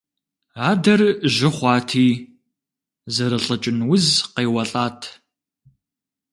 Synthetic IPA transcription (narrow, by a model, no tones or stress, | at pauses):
aːdɐrʒɪχʷɑːtʰiː | zɐɾɨɬʼɐt͡ʃʼɪnwʊzqeːwɐɬʼaːtʰ